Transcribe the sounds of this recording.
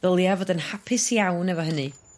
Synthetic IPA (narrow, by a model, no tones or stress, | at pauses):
ðəlˠjavodənhapʰɪsjawnɛvɔɦənɨ